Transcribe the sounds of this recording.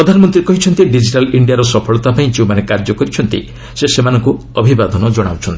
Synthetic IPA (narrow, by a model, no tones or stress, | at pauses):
ɾɔd̪ʱanɔmɔnt̪ɾikɔɦit͡ʃʰɔnt̪iɖid͡ʒiʈaliɳɖijaɾɔsɔpʰɔɭɔt̪apaĩt͡ʃʰiwmanekaɾd͡ʒɔkɔɾit͡ʃʰɔnt̪ḭ | sesemanɔŋku | ɔbʱibad̪ʱɔnɔd͡ʒɔɽ̃a̰wt͡ʃʰɔnt̪i